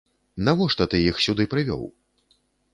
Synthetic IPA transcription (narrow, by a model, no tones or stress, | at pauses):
navɔʂt̪ɐt̪ɨjixsʲud̪ɨpɾɨvʲɔ̰w